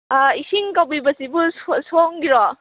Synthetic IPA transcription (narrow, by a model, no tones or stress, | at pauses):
aisiŋkawbibɐsibussoŋɡiɾɔ